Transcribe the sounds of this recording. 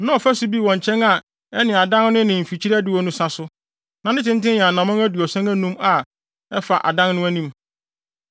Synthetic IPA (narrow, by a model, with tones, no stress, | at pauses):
nã˦ɔ˨fæ˦sʊ˦bi˦˨wɔ̃˨ɲ˨t͡ɕʰɛ̃˦na˨ | ɛ˦nɪ̃˨a˨dã˦nnʊ̃˦nɪ̃˨m̩˨fi˨t͡ɕʰi˦ɾæ˦dɪ˨wɔ˨˦nũ˦sa˦sʊ˦ | nã˨nɪ̃˦tɪ̃˦n˦tɪ̃˦jɛ̃˨a˨nã˨mã˦ŋæ˦du˨ɔ˨sã˦ŋæ˦nũ˦ma˨ | ɛ˦fa˨ʔa̰˨dã˦nnʊ̃˦æ˦nĩ˦m